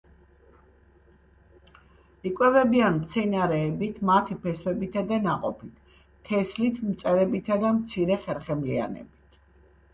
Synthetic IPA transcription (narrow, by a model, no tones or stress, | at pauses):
ikʼwɛvɛbianmt̪sʰɛnaɾɛːbit̪ʰmat̪ʰipʰɛswɛbit̪ʰad̪ɛnaqʼɔpʰit̪ʰː | ɛslit̪ʰmt̪sʼɛɾɛbit̪ʰad̪amt̪sʰiɾɛχɛɾχɛmlia̰nɛ̰bit̪ʰ